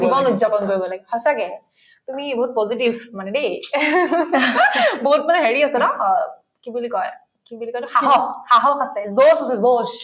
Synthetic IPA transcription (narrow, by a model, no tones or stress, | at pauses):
zibɔnuzapɔnkoɹibɔlaɡɛhɔjsakɛ | tumibɔɦut̚pɔzitibʱmanɛde | boɦut̚manɛɦeɹiasɛdɔ | kibulikɔj | kibulikɔjɔxaɦɔxhaɦɔxasɛzosasɛzoʃ